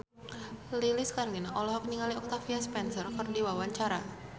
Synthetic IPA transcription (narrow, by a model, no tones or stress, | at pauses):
liliskaɾlinʔɔlɔɦɔk̚niŋaliɔk̚t̪afiaspɛnsərkərdiwawaɲt͡ʃaɾa